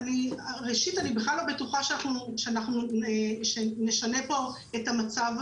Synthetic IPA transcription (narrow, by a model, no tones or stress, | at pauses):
niʁeʃitanibeχlalːo̞be̞tuχaʃeanaχnuʃeanaχnuʃene̞ʃane̞po̞ | etamat͡sav